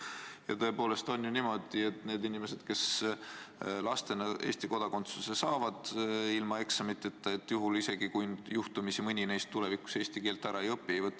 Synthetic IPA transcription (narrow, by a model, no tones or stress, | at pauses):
jɑ̰t̪ɤ̞e̞poːle̞st̪o̞njunimo̞d̪̥ie̞t̪ne̞ːd̪inʲime̞se̞d̪̥ke̞s | lɑst̪e̞nɑʔe̞ːst̪iko̞d̪̥ɑko̞nt̪suse̞sɑːvɑd̪̥ilmɑe̞ksɑmit̪ːˑet̪ːɑet̪ːˑjuɦulise̞ɡikujnjuht̪umisimɯnʲinejst̪ːule̞viku̥se̞ːst̪ike̞ːlt̪ːˑæɾɑejɤpːiejvɤt̪ːˑ